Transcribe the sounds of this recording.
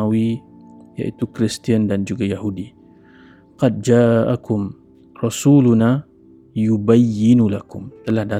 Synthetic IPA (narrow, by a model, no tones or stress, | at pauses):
awija̰ʔit̪ukɾist̪iəndand͡ʒuɡajaɦudi | qɑd̪̚d͡ʒaːʔakʊm | rɑsuːluna | jubajːɪnulakʊmt̪əlahda